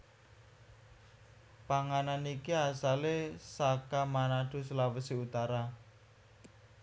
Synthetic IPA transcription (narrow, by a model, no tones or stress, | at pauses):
paŋananikiasalesakamanaɖ̥ṳsəlawəsiut̪aɾa